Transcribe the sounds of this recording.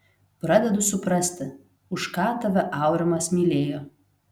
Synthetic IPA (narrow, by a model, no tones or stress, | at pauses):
pɾɐd̪ʲɛd̪ʊsʊpɾɐsʲt̪ʲɪ | ʊʃkɑːt̪ɐʋʲɛʔɑˑʊɾʲɛmɐsmʲiːlʲeːjoː